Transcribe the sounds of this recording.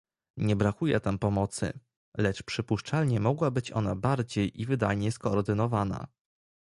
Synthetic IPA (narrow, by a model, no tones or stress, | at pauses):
ɲɛbɾakujɛ̰t̪ampɔmɔt̪sɘ̰ | lɛt͡ʂpʂɘpuʂt͡ʂalɲɛmɔɡwabɘt͡ɕɔ̰n̪abaɾd͡ʑejʔivɘd̪ajɲɛskɔːɾd̪ɘnɔvana̰